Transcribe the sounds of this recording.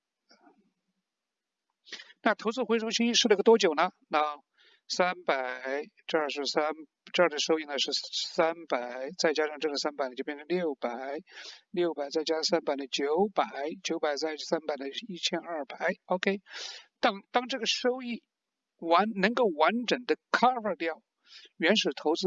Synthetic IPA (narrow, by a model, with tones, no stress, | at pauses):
na˥˩t̪ʰo˧˥ʊt͡sɹ̩˥˩xwe˧˥ɪʂo˥t͡ɕʰi˥i˥˧ʂɻ̩˥˩lə˥ɡə˩t̪wɔ˥t͡ɕjo˨˩ʊnə˦na˧˥ | sa˥npa˨˩ɪɪʈ͡ʂə˥˧ə˞˥˧˩ʂɻ̩˧sa˥n | ʈ͡ʂə˞˥˩d̪ə˧˩ʂo˥ʊi˥˩nə˩ʂɻ̩˥˩sa˥npa˨˩ɪt͡sa˥˩ɪt͡ɕja˥ʂɑ˥˧ŋʈ͡ʂɤ˥˩ə˩sa˥npa˨˩ɪnə˩t͡ɕo˥˩pjɛ˥˩nʈ͡ʂʰə˧˥ŋljo˥˩ʊpa˨˩ɪljo˥˩ʊpa˨˩ɪt͡sa˥˩ɪt͡ɕja˥ʂɑ˥˧ŋsa˥npa˨˩ɪd̪ə˧t͡ɕjo˧˥ʊpa˨˩˦ɪt͡ɕjo˧˥ʊpa˨˩ɪt͡sa˥˩ɪsa˥npa˨˩ɪd̪ə˧i˥˩t͡ɕʰjɛ˥nɐ˥˩pa˨˩ɪo˧ʊkʰe˥ɪt̪ɑ˥˧ŋt̪ɑ˥ŋʈ͡ʂɤ˥˩ɡə˩ʂo˥ʊi˥˩ | wa˧˥nnə˧˥ŋko˥˩ʊwa˧˥nʈ͡ʂə˨˩ŋd̪ə˦kʰa˥ə˥˧ljɑ˥˩ʊ | ɥɛ˧˥nʂɻ̩˨˩t̪ʰo˧˥ʊt͡sɹ̩˥